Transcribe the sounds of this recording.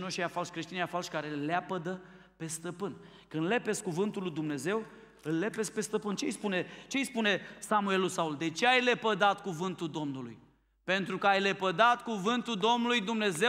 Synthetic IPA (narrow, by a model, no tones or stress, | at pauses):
noʃijafalʃʲkɾe̞ʃt̪injafalʃʲkaɾeleapəd̪ə | pe̞st̪əpɨn | kɨnle̞pe̞skuvɨnt̪ulːujd̪umne̞ze̞w | ɨlːe̞pespe̞st̪əpɨnt͡ʃejspune̞t͡ʃe̞jspune̞samue̞lulsauld̪e̞t͡ʃe̞ajle̞pəd̪at̪kuvɨnt̪uld̪o̞mnulṵj | pe̞nt̪ɾukəajlepəd̪at̪kuvɨnt̪uld̪o̞mnulujd̪umne̞ze